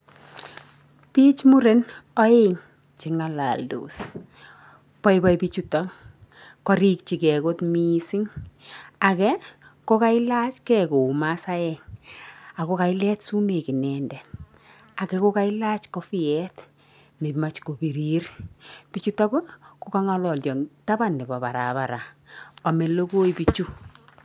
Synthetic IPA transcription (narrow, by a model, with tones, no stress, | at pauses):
pi˦t͡ʃmu˦ɾe˦nɔ˦e˦ŋ | t͡ʃe˨ŋa˨la̰˨ldṵ˨s | pɔ˦jbɔ˦jpit͡ʃutɔ˦ŋ | kɔ˦ɾik̚t͡ʃi˨kɛ˨kotmisi˦ŋ | a˨kɛ˦ | ko˦ka˦i˦la˦t͡ʃkɛ˦ko˨masa˦ɛŋ | a˨ko˦ka˨i˦lɛ˦tsu˦me˨ki˨nɛ˨ndɛ˨ | a˨kɛ˦ko˦ka˦i˦la˦t͡ʃkɔ˦fi˦ɛ˦t | me˨pi˨ma˦t͡ʃko˨pi˨ɾi˦rpi˨t͡ʃu˦ta˦ko˦ko˦ka˦ŋa˦lɔ˨ld͡ʒɔ˨ŋta˦ba˦˨nːe˨bɔ˨pa˨ɾa̰˨ba˨ɾa˨ | ɔ˨me˨lo˦ko˦jpi˦t͡ʃu˦